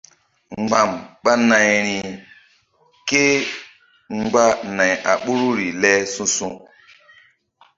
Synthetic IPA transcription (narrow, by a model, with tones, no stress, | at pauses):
ŋŋ͡mɡ͡ba˨mɓa˦na˨jɾi˨ | ke˦ | ŋ͡mɡ͡ba˦na˨ja˨ɓu˦ɾu˦ɾi˨lɛ˦sũ˦sũ˦